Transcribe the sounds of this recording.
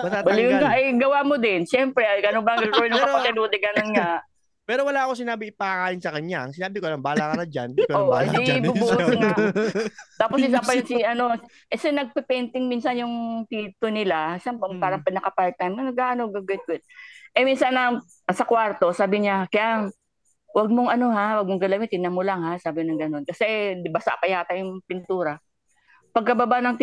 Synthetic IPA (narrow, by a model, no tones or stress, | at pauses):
mɐt̪abɐlɪjʊnɡaʔɐjɡɐwaːmod̪ɪnʃɛmpɾɛɡɐnoŋbɐŋɡɐɡɡonʊkɐpɐsɛnuːd̪ɛɡɐnonŋaʔ | pɛːɾowɐlaːʔɐkosɪnaːbɪɪpɐɐŋaːjɪnsɐkɐɲːaɐŋsɪnaːbɪkolɐmbaːlakɐnɐd͡ʒa̰noaibubuːʔna | t̪aːposɪs̬aːpɐjʊnsɪʔɐno̞ | ʔɛsɛnɐɡ̚pɛpɛnt̪ɪŋminsɐnjʊŋt̪iːt̪onɪlasampoŋpaːɾɐŋpɐnːɐkɐpalt̪ɐnːɐnɐɡʔaːʔɐnoɡɐɡwɛt̪̚wɛt̪̚ʔɛminsɐnɐ | sɐkwaɾt̪o̞saːbɪɲakɐjaʔŋ | wɐɡ̚moŋɐno̞ɦawɐɡ̚moŋɡɐlamɪt̪ɪnamolaŋhasaːbɪnɐŋɡɐno̞nkɐsɛbɐsa̰ʔpɐjaːt̪ɐjʊŋpɪnt̪uːɾɐ | pɐɡ̚kɐbɐbanɐŋt̪